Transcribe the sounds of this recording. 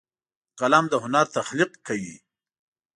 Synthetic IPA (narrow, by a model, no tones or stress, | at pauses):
qalamd̪əɦʊnaɾt̪axliqkawi